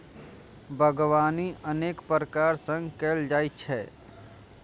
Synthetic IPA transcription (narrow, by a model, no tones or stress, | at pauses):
bʱəɡʋaːniʔəneːkpəɾəkaːɾsə̃ŋɡkeːld͡ʒaːit͡ʃʰɛː